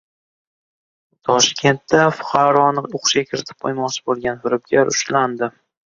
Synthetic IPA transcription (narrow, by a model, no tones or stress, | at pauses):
t̪ʰɒʃkʲʰe̞nt̪ːafʊ̥qʰɑɾɒnɨoqʰʊ̥ʃɡʲakʲʰɪɾɪt̪ʰɪ̥p̚qʰo̰jmɒqt͡ʃʰɪ̥bolˠɡʲanfɪɾɪp̚ɡʲaɾʊ̰ʃland̪ɪ